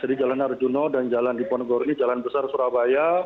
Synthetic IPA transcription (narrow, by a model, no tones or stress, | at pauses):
sədid͡ʒalanard͡ʒunɔdand͡ʒalandipɔnɡɔrnid͡ʒalanbəsarsuɾabaja